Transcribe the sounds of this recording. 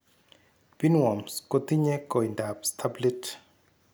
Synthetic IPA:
bi˦nwɔ˨msko˦t̪i˦ɲɛ˦kɔ˨inda˨pst̪ʰabli˦t

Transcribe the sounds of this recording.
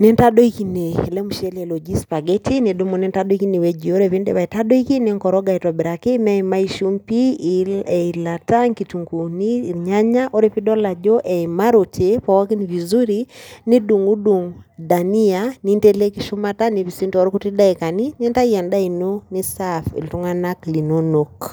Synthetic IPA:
nɛ˦ntaɗɔ˦iki˦ne˨lɛ˦mu˨ʃɛ˦lɛlo˨d͡ʒi˦spa˨ɡɛtʰine˨ɗo˦mɔ˨ne˦ntaɗɔ˦iki˦ne˨wɛ˦d͡ʒio˦ɾɛβi˦ndḛβa˨itaɗɔ˦ikineŋkɔ˨ɾɔɡa˨itwɔ˨biɾake˦mɛ˦ima˦i˦ʃu˦mpi | ɛilataŋkituŋɡuniɲa˦ɲa˦ʔo˦ɾe˨pi˦dɔ˦la˨d͡ʒɔ˦ʔɛ˨imaɾo˨tʰe˨pa˨wa˦ki˦ni˨vi˨zu˦ɾi˦ni˦du˨ŋu˦du˨ŋda˨ni˦ani˦nte˦le˦ki˦ʃu˦mata˦ni˨βi˨si˦nto˦ɾku˦ti˦da˦i˨ka˨ni˦nɛ˦nta˦ia˨nda˦i˨no˦ni˦safḭ˨ltu˦ŋa˦na˦kli˨no˦nok

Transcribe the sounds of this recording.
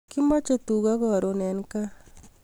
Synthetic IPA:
ki˦ma˦t͡ʃe˦˨t̪u˨ɣa˦ɣɔ˦˨ɾo˨nɛ˨nka˦

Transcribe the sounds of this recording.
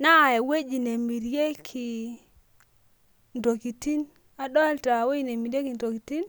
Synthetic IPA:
na˦˨e˨we˦d͡ʒi˨ne˨mi˨ɾje˦kʰi˨ | ndo˨ki˨ti˦n | a˦dɔ˦ɛ˦lta˨we˦i˦ne˨mi˨ɾje˦ki˨ndo˨ki˨ti˦n

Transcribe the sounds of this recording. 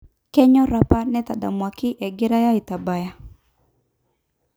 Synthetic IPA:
kɛ˦ɲɔ˦ɾa˨pa˦nɛ˦ta˨da̰˨mwa˨kɪ˦ʔɛ˨ɡɪ˦ɾa˦ja˦ɪ˨ta˨ba˨ja˦

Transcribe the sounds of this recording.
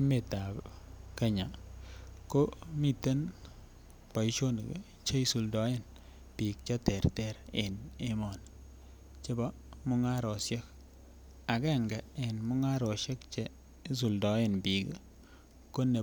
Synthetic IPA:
me˨ta˨bke˦ɲa˨ | ko˦mi˦te˦n | pa˨i˦t͡ʃo˦n˨k | t͡ʃe˦i˦su˨ldɔ˨˦e˦n | pi˨k̚t͡ʃa˦tɛ˨ɾtɛ˨ɾḛ˨ne˦mɔ˨n | t͡ʃe˦bɔ˦ | mʊ˦ŋa˦ɾo˨sje˦k̚ | a˨kɛ˦˨ŋɡe˨nmʊ˦ŋa˦ɾɔ˨ʃe˦kt͡ʃe˨˦ | s̬u˨ldɔ˨˦e˨nbi˨k | ko˦ne˨

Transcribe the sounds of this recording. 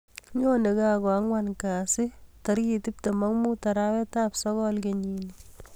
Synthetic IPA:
ɲo˦ne˨ka˦kɔ˨a˦ŋwankaː˨sɪ˦taɾi˨ti˦p̚te˨ma˦ŋmu˦taɾawɛ˦tapsɔɣɔlkeɲini

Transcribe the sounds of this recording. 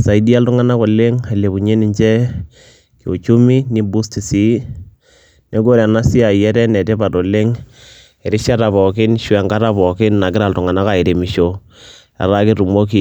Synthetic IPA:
sa˨i˨di˦a˦ltʊ˦ŋa˦na˦ko˨le˦ŋe˨le˨bu˨ɲe˦nɪ˨ɲt͡ʃɛ˦ | ki˨o˨t͡ʃu˦mi˦ni˦bu˦sti˨si˨˦ | ne˦ɡo˦ɾa˨na˦si˦a˨jɛ˦ɾɛ˦nɛ˨tɛ˦pa˨to˨le˦ŋ | ɛ˨ɾɪ˦ʃa˦ɾa˨pɔ˨k̬ɪ˦nʃwɛ˨ŋka˦ɾa˦pɔ˨kɪ˦nna˨kɪ˦ɾa˨ltʊ˨ŋa˨na˦ka˨i˨ɾe˨mi˨ʃo˦ | ɛ̰˨ɾa˦kɪ˦tu˨mo˦k̬i˨

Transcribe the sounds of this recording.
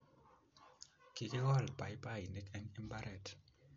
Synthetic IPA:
ki˨kɪ˦wɔ˦˨lpa˨ɪ˦pa˦i˨ne˦kɛ˦ni˦mba˦ɾʔɛ˦˨t

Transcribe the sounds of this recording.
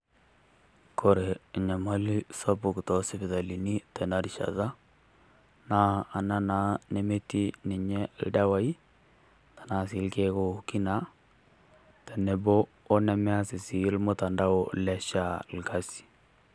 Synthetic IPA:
kʰo˨ɾe˨ɲa˨ma˦li˦sɔ˦bʊ˨ktɔ˨˦si˦bɪ˨ða˨li˨ni˦tɛ˨na˦ɾi˨ʃa̰˨ða˦ | naː˦˨na˦na˨˦ne˦me˦ti˦ni˨ɲɛ˦lda˦wa˦i˦ | tḁ˨na˨˦si˨˦lke˦ko˦ki˦na˦ | tɛ˨ne˨boː˦ | nɛ˨mɛ˦a˦sɪ˨si˨˦lmo˦ta˨nda˦o˨lɛ˦ʃa˦˨lka˦si̥˨

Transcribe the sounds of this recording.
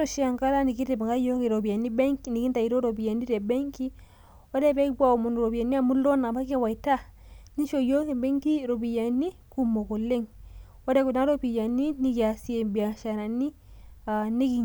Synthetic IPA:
ɾo˦˨ʃi˦a˨ŋka˦la˦ni˨ki˦ɾe˨ba˨ŋɡa˦jo˦ki˨ɾo˨bi˨a˨nːi˦be˦ŋki˨ni˨ki˦nta˨i˨ɾo˦ɾo˨bi˨ja˨ni˦ɾe˨be˦ŋki˦ | wo˦de˦be˦ba˦o˨mu˨n˨ɾo˨bi˨ja˨ni˦a˦mu˦lo˦na˨ba˦ke˦wa˨i˨ta˦ | ni˦ʃo˨jo˦ki˨be˦ŋki˦ɾo˨bi˨ja˨nːi˦ku˦mo˨ko˨lːe˦ŋ | wo˦de˦ku˨da˦ɾo˦pi˨ja˨nːi˦ni˦ɡa˨si˦e˨bi˨a˨ʃa˨ɾa˨nːi˦ | a˨ni˦ɡi˨

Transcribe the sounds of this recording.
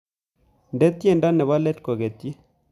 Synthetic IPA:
ndɛ˦t̪je˦˨nda˦nɛ˨βa˦lɛ˦tko˨ɡe˨t̪je˦

